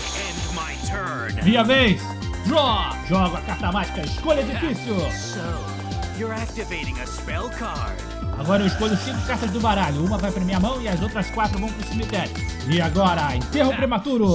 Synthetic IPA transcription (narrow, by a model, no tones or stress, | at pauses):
ɛ̃nmaɪtʰɜ˞nviɐvejs | d̪ɾɔ | ʒɔɡʊakaɾt̪ɐmat͡ʃi̥kɐɪskoʎɐed͡ʒifisjʊso | jə˞æk̚tɨveɪɾɪ̃ŋɨspɛlˠkʰɑɹ | aɡɔɾɐewɪskoʎʊsĩŋkʊ̥kaɾt̪ɐzd̪ʊbaɾaʎʊũmɐvajpɾemiɐmɐ̃w̃ɪɐzowt̪ɾɐskwat̪ɾʊvɐ̃w̃pɾʊsimit̪ɛɾjʊɪaɡɔɾɐḛ̃t̪eɦʊpɾemat̪uɾʊ